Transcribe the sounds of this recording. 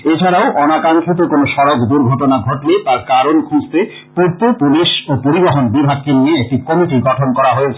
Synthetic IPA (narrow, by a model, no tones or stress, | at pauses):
et͡ɕʰaɾaoʔɔnakaŋkit̪̬okonoʃɔɾokd̪uɾɡʱɔʈonaɡʱɔʈlet̪aɾkaɾonkʰũd͡ʑt̪e | poɾt̪opuliʃopoɾiboɦonbibʱaɡ̚kenieek̚ʈikɔmiʈiɡɔʈʰonkɔɾaɦoet͡ɕʰe